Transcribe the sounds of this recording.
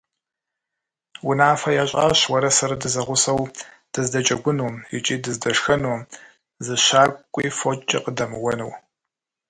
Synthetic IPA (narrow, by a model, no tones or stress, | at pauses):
wʊnaːfɐjaːɕʼa̰ːɕwɐɾɐsɐɾɐdɨzɐʁʷʊsɐw | d̥ɨzdɐt͡ʃʼɐɡʷʊnuːmjɪ̰t͡ʃʼiːdɨzdɐʂxɐnuːm | zɨɕaːkʷʼiːfot͡ʃʼɪ̰qədɐmɨwɐnɨw